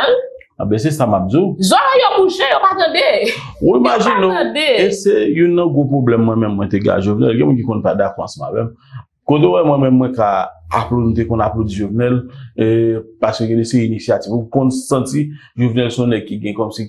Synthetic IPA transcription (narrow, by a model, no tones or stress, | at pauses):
ãbɛ̃s̬ɛsamap̚d͡zizɔljomũʃɛ̃jopat̪ɐ̃de | wiimaʒĩnõdeesejunɐ̃ɡʁop̬ʁoblɛmːwɛ̃mɛ̃mːw̃ɛ̃t̪eɡa̰ʒovnɛ̰lɡɛ̃mũnk̬ikɔ̃npadakɔʁãsʌ̃ma̰vɛm | kot̪̬ewɛmwɛ̃mɛ̃mːw̃ɛ̃kaa̰plonũt̪ekɔ̃naplod͡ziʒovnɛl | paskøɡɛ̃desɛinisiativukõnsãti | ʒovnɛlsɔ̃nɛɡ̚kiɡɛ̃kɔmsi